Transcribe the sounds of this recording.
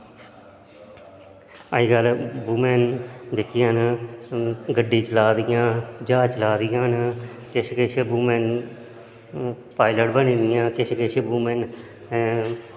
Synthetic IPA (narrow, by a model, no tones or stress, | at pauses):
əiːɡəlbuːmɛːnd̪ɪkʰːɪjãːn | ɡəɖːiːt͡ʃəlaːd̪ɪjãːd͡ʒaːt͡ʃəlaːd̪ɪjãːn | kɪʃkeʃebuːmɛːn | paːɪləʈbənĩːd̪ɪjãːkɪʃkeʃebuːmɛːn